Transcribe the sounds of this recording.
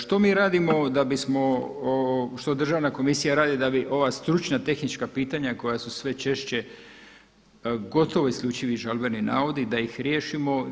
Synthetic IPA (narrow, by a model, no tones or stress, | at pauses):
ʃt̪o̞miːɾaːd̪imo̞d̪abismo̞oʃt̪od̪r̩ʒaʋnako̞misijaɾaːd̪id̪abiʔo̞ʋast̪ɾut͡ʃnat̪e̞xnit͡ʃkapiːt̪aɲako̞jasusʋe̞t͡ʃe̞ʃt͡ɕe | ɡo̞t̪o̞ʋo̞iskʎʲuːt͡ʃiʋiʒalbenina̰ːʋod̪id̪aixɾje̞ːʃimo̞